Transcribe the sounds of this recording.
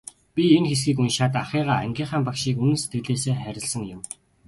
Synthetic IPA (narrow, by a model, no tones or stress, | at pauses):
pʲienxes̬ɡiːkunʃat̪aχiːʁaːæ̰ŋɡʲiːɴχaːmpakʃiːkunɘ̆nse̥t̪̚ɡɘ̆ɮeːseːχæɾʲɪ̆ɮsə̆ŋjʊ̆m